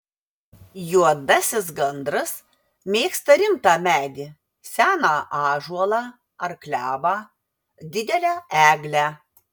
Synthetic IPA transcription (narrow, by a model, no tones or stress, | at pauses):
juɔd̪ɐsʲɪs̬ɡɐnd̪ɾɐs | mʲeːkst̪ɐɾʲɪmt̪ɑːmʲæːd̪ʲi | sʲæːnɑʔɑːʒuɔlˠɑː | ɐɾklʲæːʋɑː | d̪ʲɪd̪ʲɛlʲæːʔæːɡlʲæː